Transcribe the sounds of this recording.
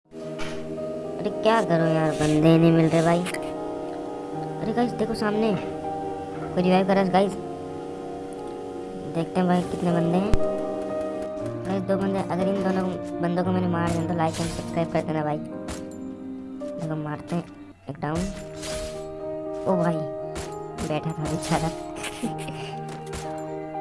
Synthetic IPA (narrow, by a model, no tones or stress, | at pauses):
əɾekjaːkəɾojaːɾbənd̪enĩmɪlɾeebʱaːiː | əɾeɡaːɪzd̪eːkʰosaːmne | koɾɪʋaːjʋkəɾaːs̬ɡaːɪz | d̪eːk̚ʰt̪eɦɛ̃bʱaːikɪt̪nebənd̪eɦɛ̃ː | ɡaːɪzd̪oːbənd̪eɦɛ̃ʔɐɡəɾɪnd̪oːnobɐ̃nd̪õkomɛːnemaːɾd͡ʒãːt̪olaːjkemsɐpskɾaːjp̚kɐɾt̪eɦɛ̃nabʱaːi | d̪eːkʰomaːɾt̪eɦɛ̃ | eːk̚ɖaːʊn | oːbʱaːi | bɛːʈʰat̪obit͡ʃaːd̪at̪